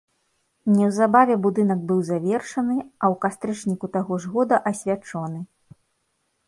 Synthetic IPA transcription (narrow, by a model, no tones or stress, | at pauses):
nʲɛwzabavʲɛbud̪ɨnɐɡbɨwzavʲɛrʂɐnɨɐwkast̪ɾɨt͡ʂnʲikut̪aɣɔʐɣɔd̪ɐʔɐsʲvʲat͡ʂɔnɨ